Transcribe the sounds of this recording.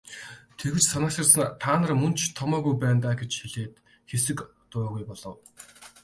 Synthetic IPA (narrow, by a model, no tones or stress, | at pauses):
t̪ʰeɣɘ̆t͡ɕsanăkə̆rs̆nt̪ʰaːnə̆rmɵnt͡ɕʰt̪ʰɔmɔːɣujpæːnt̪aːɡet͡ɕxiɮeːt̪ | xesɘ̆k | t̪ʊɾɔːɣujpɔɮɞ̆w